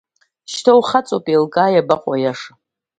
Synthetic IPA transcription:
ʃtʰowχat͡sʼopʼelkʼaːjabaqʼajaʂa

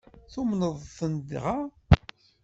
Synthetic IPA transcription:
θumnəðˤθənd̪ʁa

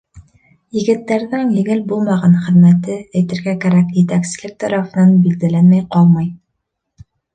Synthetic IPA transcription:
jɘ̆ɡɘ̆t̪ːæɾðɘŋj̪ɘ̆ɡɘlbulˠmɑʁɑnχɘ̆ðmæt̪ɘɘ̆jt̪ɘ̆ɾɡækæɾækjɘ̆t̪æksɘ̆zlɘk̚t̪ɑɾɑfɤ̆nɑnbild̪ælænmæjqɑlˠmɑj

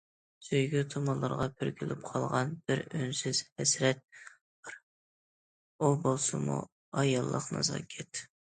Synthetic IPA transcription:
søjɡʲyt̪ʰomɑlˠɑɾʁɑpʰyɾkʲilɪp̚qʰɑlˠʁɑnb̥ɪɾønsɪz̥hɛsɾɛt̪̚ | b̥ɪɾ | obolˠsɨmṵ | ɑjɑlˠːə̰qnɑ̰zɑ̰kʲʰɛt̪

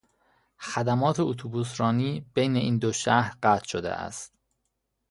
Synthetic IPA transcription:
xæd̪æmɒːt̪ʰeot̪ʰubusɾɒːniːb̥ejneʔiːnd̪oʃæhɾɢæt̪ʰʃod̪ḛʔæ̰st̪

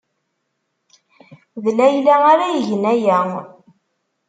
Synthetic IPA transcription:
ðlæjlæaɾæjəʝənæjæ

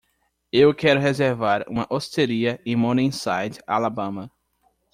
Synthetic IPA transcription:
ewkɛɾʊɦezeɾvaɾṵ̃mɐʔost̪eɾiɐẽmõnĩsajd͡ʒa̰labɐ̃mɐ

